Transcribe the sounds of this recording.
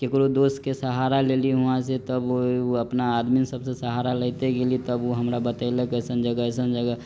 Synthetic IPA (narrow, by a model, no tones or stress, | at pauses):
kekɾod̪oːskesəɦaːɾaleːliɦʊãset̪əboɐpnaːd̪minsəbsesəɦaɾalət̪eɡelit̪əboɦɐmɾabət̪əiləkəsənd͡ʒəɡəɛs̬ənd͡ʒəɡə